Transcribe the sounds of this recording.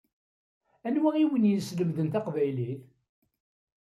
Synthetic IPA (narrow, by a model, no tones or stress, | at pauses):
ænwæiwənjəsləmðənt̪ɑqvæjliθ